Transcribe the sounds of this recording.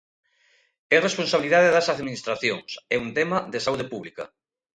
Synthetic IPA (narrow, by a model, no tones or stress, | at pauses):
eresponsaβiliðaðeðɐsaðminist̪ɾaθjoŋsɛunt̪emɐðesauðepuβlikɐ̰